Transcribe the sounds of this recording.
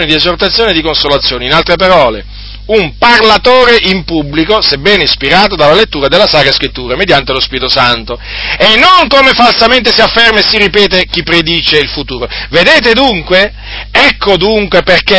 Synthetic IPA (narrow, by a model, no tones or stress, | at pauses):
oːnid̪iezort̪at̪sːjoːned̪ikonsolat̪sːjoːneinalt̪ɾepaɾɔːle | umparlat̪oːɾeʔimpubːlikosebːɛːneispiɾaːt̪od̪alːalet̪ːuːɾad̪elːasaːkɾaskɾit̪ːuːɾamed̪jant̪elospiːɾit̪osant̪o | enːoŋkomefalsament̪esiafːɛrmesiripɛːt̪ek̟ipːɾed̪iːt͡ʃeilfut̪uːɾoved̪eːt̪ed̪uŋkwe | ɛkːod̪uŋkweperke